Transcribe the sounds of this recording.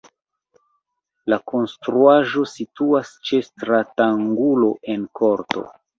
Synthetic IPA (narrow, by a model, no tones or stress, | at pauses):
lako̞nstɾuaʒo̞situast͡ʃe̞stɾataŋɡulo̞ʔe̞nkʰo̞ɾto̞̰